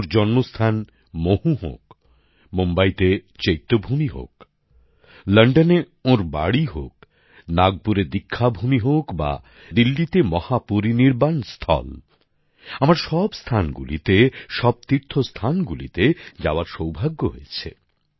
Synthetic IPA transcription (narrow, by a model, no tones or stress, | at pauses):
ɾd͡ʑɔnmost̪ʰan | mohuɦo̰k | mombajt̪et͡ɕejt̪ːobʱumiɦo̰k | lɐɳɖane | oɾba̰ɽiɦo̰k̚ | naɡ̚puɾed̪ikʰːabʱumiɦokba̰ | d̪ilːit̪emɔhapoɾiniɾbanst̪ʰɔ̰l | amaɾʃɔbst̪ʰanɡṵlḭt̪eʃɔb̚t̪iɾt̪ʰost̪ʰanɡulḭt̪ed͡ʑa̰oaɾʃowbʱaɡːoɦojet͡ɕʰḛ